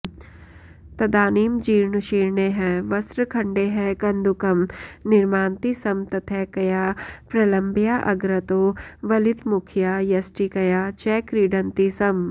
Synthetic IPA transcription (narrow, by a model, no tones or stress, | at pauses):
t̪ɐd̪aːniːmd͡ʒiːɾnəʃiːɾneɦɛ̃ːʋɐsɾəkʰɐ̃ɳɖeɦɛ̃ːkɐ̃nd̪ukɐmnɪɾmaːnt̪isɐmt̪ɐt̪ʰɛːkɐjaːpɾɐlɐ̃mbjaːʔɐɡɾɐt̪oːʋɐlɪd̪mʊkʰjaːjɐsʈikɐjaːt͡ʃɛːkɾiːɖɐ̃nt̪isɐm